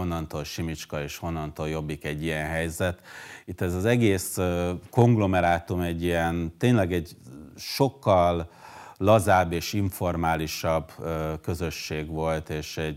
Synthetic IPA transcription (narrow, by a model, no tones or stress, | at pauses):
onːɒnt̪oːlʃimit͡ʃkɒeːʃho̞nːɒnt̪oːljo̞bːikɛɟːijɛnɦɛjzɛt̪it̪ːɛzɒzɛɡeːsko̞ŋɡlo̞mɛɾaːt̪umɛɟːijɛnt̪eːnlɛɡɛɟʃo̞kːɒlː | ɒzaːbːeːʃiɱfo̞rmaːliʃɒbkø̞zø̞ʃːeːɡʋo̞lt̪eːʃɛɟ